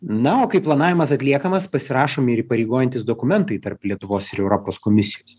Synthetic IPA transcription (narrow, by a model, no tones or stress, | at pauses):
nɐoːkɐɪplˠɐnɑːʋʲɪmɐsɐt̪ʲlʲiɛkɐmɐspɐsʲɪɾɑːʃoːmɪɾiːpɐɾʲɛɪɡoːjɛnʲt̪ʲɪsd̪oːkʊmʲɛnt̪ɐɪt̪ɐrplʲiɛt̪ʊʋoːsɪɾɛʊɾopoːskoːmʲɪsʲɪjoːs